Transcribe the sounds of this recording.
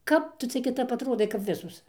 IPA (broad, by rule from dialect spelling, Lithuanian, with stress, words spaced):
ˈkɐp ˈtʊ ˈt͡sʲɛ kʲɪˈtɐp ɐtˈroːdɐɪ kɐp ˈʋʲɪsoːs